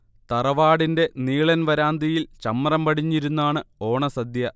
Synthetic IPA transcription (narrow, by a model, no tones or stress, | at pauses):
t̪ɐrɐʋaːɽinde̞niːɭɐnʋɐɾaːnd̪ʱijilt͡ɕɐmːrɐmpɐɽiɲːiɾunːaːɳɨo̞ːɳɐsɐd̪jɐ